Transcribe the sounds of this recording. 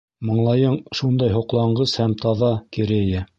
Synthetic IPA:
mɤ̆ɴlˠɑjɤɴʃund̪ɑjɦŏqlˠɑɴɢɤshæmt̪ɑðɑkiɾɘ̆jɘ

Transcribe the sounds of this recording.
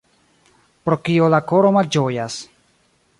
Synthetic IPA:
pɾo̞kiolako̞ɾo̞mald͡ʒo̞jas

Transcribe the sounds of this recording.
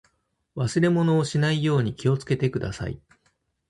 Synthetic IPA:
βasɨɾe̞mo̞no̞ːɕinaijo̞ːɲ̟ikʲio̞t͡sɨ̥ke̞t̪e̞kɯ̟d̪a̰sa̰ḭ

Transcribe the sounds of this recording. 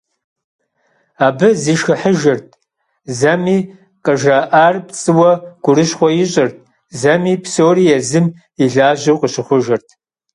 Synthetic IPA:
aːbɨziːʃxɨħəʒɐrtʼʰ | zɐmiː | qəʒɐʔaːrpt͡sʼɨwɐɡ̥ʷʊɾɨʃχʷɔjɪɕʼɐrt̚ʰʼ | zɐmiːpʰsoːrijɛzɨm | iɮaːʒɐwqʼəɕɨχʷʊʒɐrtʰ

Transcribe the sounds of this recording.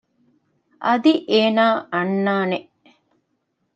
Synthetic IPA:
ʔɐd̪iʔeːnaːʔɐnːaːneʔ

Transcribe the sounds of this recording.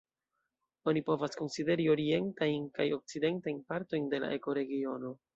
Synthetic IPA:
o̞nipo̞vasko̞nside̞ɾio̞ɾie̞ntajnkajo̞k̚t͡side̞ntajnpaɾto̞jnde̞la̰ʔe̞ko̞ɾe̞ɡio̞no̞

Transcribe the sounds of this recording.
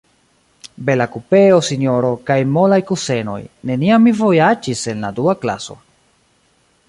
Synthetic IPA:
be̞lakupe̞osinjo̞ɾo̞kajmo̞lajkuse̞no̞̰jne̞niamːivo̞jad͡ʒise̞nla̰duakla̰so̞̰

